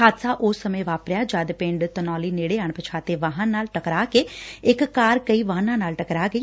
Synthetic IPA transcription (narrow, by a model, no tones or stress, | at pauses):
aːd̪saːʔʊsːəmẽːʋaːpɾjaːd͡ʒaːd̪pɪɳɖt̪ənɔːliːneːɽeːɦaɳpət͡ʃʰaːt̪eːʋaːɦãnːaːlʈəkɾaːkeːɪkːaːɾkəiːʋaːnãːnaːlʈəkɾaːɡəiː